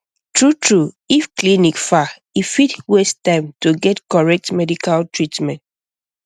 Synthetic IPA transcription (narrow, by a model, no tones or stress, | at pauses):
tɹutɹu | ifklinikfa | ifitwestãɪmtuɡɛtkɔɹɛk̚tmɛdikaltɹitmɛ̃nt